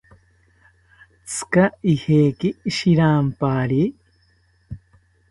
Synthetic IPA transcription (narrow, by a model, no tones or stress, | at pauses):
t͡sɨ̥kaiheːkiʃiɾaːmpaːɾi